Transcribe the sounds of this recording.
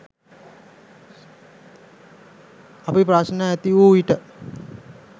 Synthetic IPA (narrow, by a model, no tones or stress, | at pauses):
apipɾasnaɛt̪ioiʈə